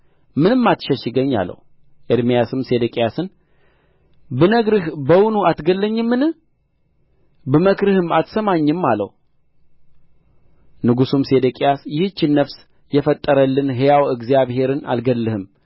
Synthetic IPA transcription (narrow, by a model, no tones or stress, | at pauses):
mɨnɨmːat̪ʃəʃɪɡəɲːa̰lːə̰h | ʔəɾmijasɨmse̞d̪əkʼejasɨn | bɨnəɡɾɨhbəwunuat̪ɡəlːəɲːɨmːɨnɨ | bɨməkɾɨhɨmat̪səmaɲːɨmːalːə̰h | nɨɡusumsed̪əkʼejasjɪhɨt͡ʃːɪnːəfs | jɛfət̪ʼːəɾəlːɨnɦejawɨɡzijaβhe̞ɾɨna̰lɡəlːɨhɨm